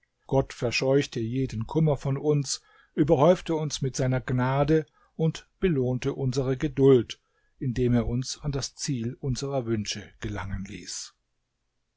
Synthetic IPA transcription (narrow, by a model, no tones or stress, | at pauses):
ɡ̥ɔtfɛɐʃɔʏçtəjeːdən̩kʰʊmɐfɔnʊns | ʔyːbɐhɔʏftəʊnsmɪtz̥aɪnɐɡnaːdə | ʔʊntb̥əloːntəʔʊnzəʁəɡədʊlt | ʔɪndeːmeːɐʊnsandast͡siːlʔʊnzəʁɐvʏnʃəɡ̥əla̰ŋənlḭːs